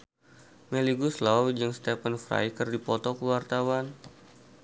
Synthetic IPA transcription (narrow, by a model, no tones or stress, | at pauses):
meliɡuslawd͡ʒɨŋst̪ɛpənfɾa̰jkərdipɔt̪ɔkəwart̪awan